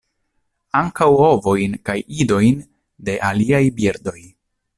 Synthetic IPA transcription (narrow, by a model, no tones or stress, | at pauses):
aŋkawo̞vo̞jnkajido̞jn | de̞ʔaliajbiɾdo̞j